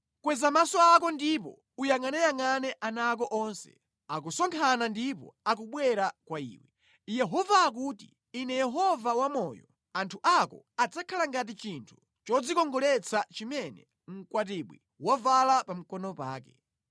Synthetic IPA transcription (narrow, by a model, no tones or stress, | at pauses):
kwɛzamasɔakɔndipɔ̰ | ujaŋanɛjaŋanɛʔanaːk̬ɔʔɔnsɛ̰ | akusɔŋkʰanandipɔ̰ak̬uɓwɛɾakwaḭːwɛ | jɛɦɔvaːk̬utḭ | inɛjɛɦɔvawamɔjɔ | antʰuʔakɔ̰ad͡zakʰalaŋɡat̬it͡ʃintʰu̥ | t͡ʃɔd͡zikɔŋɡɔlɛt͡sʰat͡ʃimɛnɛ | ŋ̩kwat̬iɓwi | wavalapam̩kɔnɔpa̰ːkɛ